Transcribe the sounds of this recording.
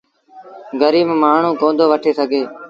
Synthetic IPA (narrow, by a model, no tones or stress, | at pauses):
ɡəɾiːmːmaːɳ̤ũːkõːnd̪ʱoːʋəʈʰeːsəɡʱeː